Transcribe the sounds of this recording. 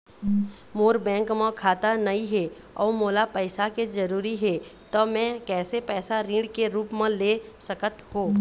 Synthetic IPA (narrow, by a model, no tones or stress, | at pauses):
moːɾbɛ̃ːŋkmə̃kʰaːt̪anɐiɦɛ | ɔ̰ːɾmoːlapəɪsaked͡ʒəɾuːɾiɦɛt̪omɛ̃kɛːsepɛːsaɾĩːɳɖkeɾuːpmẽleːsəkət̪hoː